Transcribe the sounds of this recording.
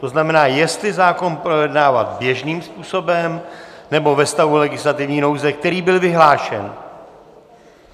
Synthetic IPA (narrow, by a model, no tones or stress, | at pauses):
t̪o̞znamɛnaːjɛst̪lɪzaːko̞npɾo̞jɛdnaːvat̪bjɛʒniːmspuːso̞bɛmnɛbo̞vɛst̪avulɛɡɪslat̪ɪvɲiːno̞wzɛk̚t̪ɛɾiːbɪlvɪɦlaːʃɛ̰n